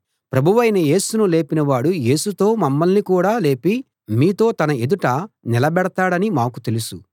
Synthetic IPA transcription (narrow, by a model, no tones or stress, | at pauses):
pɾɐbʱuʋɐjnɐje̞ːsunule̞ːpinɐʋaːɽuje̞ːsut̪o̞ːmɐmːɐlnikuːɽaːle̞ːpi | miːt̪o̞ːt̪ɐnɐe̞d̪uʈɐnilɐbɛɽɐt̪aːɽɐnimaːkut̪e̞lusu